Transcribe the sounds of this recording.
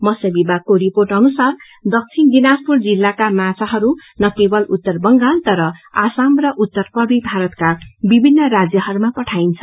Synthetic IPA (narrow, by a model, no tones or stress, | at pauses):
mʌsʌbibakoɾiporʈʌnusar | d̪ʌk̚t͡sʰinɡinaspurd͡zilːakamasʰaɦʌɾunʌkebʌlut̪ːʌrbʌŋɡalt̪ʌɾʌasamrʌʔut̪ːʌrpʌbibʱaɾʌt̪kabibʱinːʌɾad͡zjʌɦʌɾumapʌʈʰajnt͡sʰʌ̥